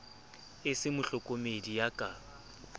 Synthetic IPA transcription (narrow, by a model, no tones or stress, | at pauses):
ɪsɪmʊɬʊkʼomedijakʼaː